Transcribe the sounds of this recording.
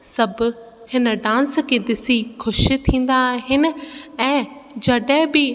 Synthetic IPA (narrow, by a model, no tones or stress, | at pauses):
sɐbʊ̆ | hɪnə̆ɖãːnskʰeːd̪ɪsixʊʃ̆t̪ʰĩːn̆d̪aːɦɪnɪ̆ɛ̃ːd͡ʑɐɗəɦɪ̃bɪ